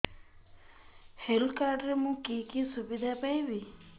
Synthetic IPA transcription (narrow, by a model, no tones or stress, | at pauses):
helkaɾɖɾemũkiːkiːsubid̪ʱaːpɐjʋi